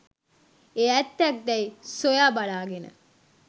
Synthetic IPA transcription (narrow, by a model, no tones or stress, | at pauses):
eæt̪ːæk̚d̪ɛjsojaːbalaːɡenə̰